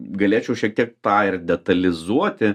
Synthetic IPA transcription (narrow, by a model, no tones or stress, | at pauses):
ɡɐlʲeːt͡ʃʲɛʊʃʲiɛk̚t̪ʲiɛk̚t̪ɑːɪrdʲɛt̪ɐlʲɪzuɔt̪ʲɪ